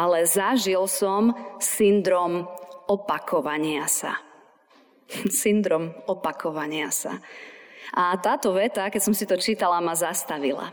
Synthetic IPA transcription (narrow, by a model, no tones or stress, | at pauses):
alɛzaʒilsɔmsind̪ɾɔmɔpakʰɔʋaɲɪasa̰ | sind̪ɾɔmɔpakʰɔʋaɲɪasa̰ | ʔat̪aːt̪ɔʋɛt̪akɛtsɔmsit̪ɔt͡ʃiːt̪alamazast̪aʋila̰